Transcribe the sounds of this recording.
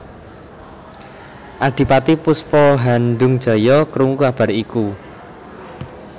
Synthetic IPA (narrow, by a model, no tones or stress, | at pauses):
ʔaɖ̥i̤pat̪ipuspɔɦanɖʊŋd̥ʒ̥ɔ̤jɔkəɾuŋukab̥a̤ɾiku